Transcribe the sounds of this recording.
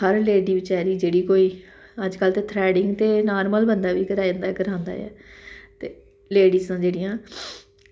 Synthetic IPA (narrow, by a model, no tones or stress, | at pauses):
əɾleːɖiːbɪt͡ʃaːɾiːd͡ʒeːɽiːkoːiː | əd͡ʒkəlt̪eːt̪ʰɾɛːɖɪŋɡt̪eːnaːɾməlbənd̪aːʋiːkəɾaːə̃nd̪aːkəɾãːnd̪a̰ːjɛ̰ːt̪eː | leːɖiːzãːd͡ʒeːɽɪjãː